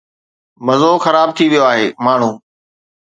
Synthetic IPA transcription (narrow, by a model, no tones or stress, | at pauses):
mɐzoːxɐɾaːb̚t̪ʰiʋijoaːɦeːmaːɳ̤ũː